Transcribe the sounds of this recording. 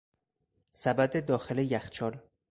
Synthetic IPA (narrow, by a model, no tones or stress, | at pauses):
sæbæd̪ed̪ɒːxelejæxt͡ʃʰɒːɾ